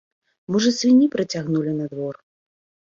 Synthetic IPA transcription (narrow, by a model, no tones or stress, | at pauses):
mɔʐɐsvʲinʲipɾɨt͡sʲaɣnulʲinɐd̪vɔr